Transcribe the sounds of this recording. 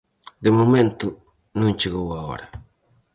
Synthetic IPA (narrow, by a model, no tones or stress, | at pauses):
d̪emomẽnt̪u | nũnt͡ʃeɣowao̰ɾa